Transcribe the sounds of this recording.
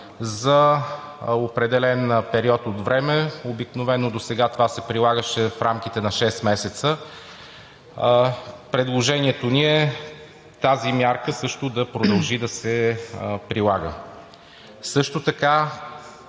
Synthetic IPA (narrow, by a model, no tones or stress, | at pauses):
zə | opɾɛd̪ɛlɛnpɛɾiɔt̪ot̪vɾɛmɛobiknovɛnːod̪osɛɡat̪ovasɛpɾilˠaɡəʃɛfɾamk̟it̪ɛnɐʃɛst̪mɛsɛt̪sə | pɾɛd̪lˠoʒɛniɛt̪oniɛ | t̪azimʲjaɾkəsɤʃt̪ʊd̪ɐpɾod̪ɐlˠʒid̪ɐsɛ | pɾilˠaɡə̰ | sɤʃt̪ot̪ɐka